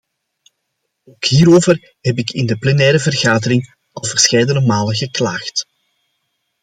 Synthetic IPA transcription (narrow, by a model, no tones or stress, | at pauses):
oːkɦiːɾoːvər | ɦɛpɪkʰɪndəplɛnɛːɾəvərɣaːdəɾɪŋ | ɑlˠvərsxɛjdənəmaːləɣəklaːxt